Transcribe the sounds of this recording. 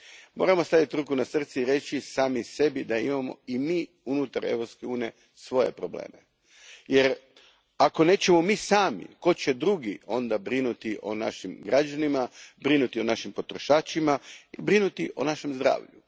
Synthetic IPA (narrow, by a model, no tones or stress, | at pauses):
mo̞̰ɾamost̪aʋit̪ɾukunasr̩t̪siiɾe̞t͡ʃisaːmise̞bid̪aimamo̞̰imiː | unut̪aɾe̞̰ʋɾopskeuːnije̞ | sʋo̞je̞̰pɾo̞blḛːme | je̞ɾ | ako̞ne̞ːt͡ɕemo̞miːsaːmḭko̞t͡ɕe̞d̪ɾuɡio̞nd̪abɾinut̪iʔo̞̰na̰ʃimɡɾad͡ʒanimabɾinut̪io̞naʃimpo̞t̪ɾo̞ʃaːt͡ʃimaibɾinut̪iʔo̞̰naʃe̞mzd̪ɾa̰ːʋʎu